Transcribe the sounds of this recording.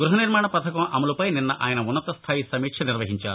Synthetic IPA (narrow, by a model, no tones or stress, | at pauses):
ɡɾuɦɐniɾmaːɳɐpɐt̪ʰɐkɐmʔɐmɐlupɐjninːɐʔaːjɐnɐunːɐt̪ɐst̪ʰaːjisɐmiːkʂɐniɾʋɐɦiɲt͡ʃa̰ːɾu